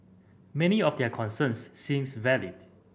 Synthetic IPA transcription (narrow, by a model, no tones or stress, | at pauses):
mɛniɔfdɛkʰɔ̃nsə̃nsːĩmsvɛlid̥